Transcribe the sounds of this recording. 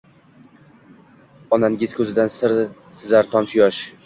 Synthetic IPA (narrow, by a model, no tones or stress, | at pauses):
ɒnanɪɡʲɪzkʰʲɵzɪd̪ansɪɾ | sɪzaɾt̪ʰɒmʃjɒʃ